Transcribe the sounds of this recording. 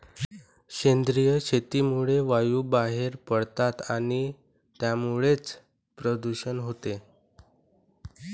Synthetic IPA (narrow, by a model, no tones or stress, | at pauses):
kend̪ɾijəɕʰet̪imuɭeʋajubaɦeɾpəɽt̪at̪aɽ̃i | t̪jamuɭet͡s | pɾəd̪uɕənɦot̪e